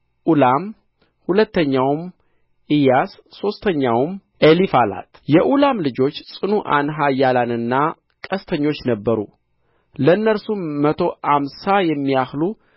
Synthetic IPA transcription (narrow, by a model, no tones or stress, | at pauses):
ʔulam | hulət̪ːəɲːawm | ʔijasːo̞st̪ʰəɲːawm | ʔelifala̰t̪jɛʔulamlɨd͡ʒo̞t͡ʃːsʼɨnuʔa̰nɦajːalanɨnːa | kʼəst̪ʰəɲːo̞t͡ʃːnəbːəɾṵ | lənːəɾsumːət̪ʰo̞amsajɛmːijahlu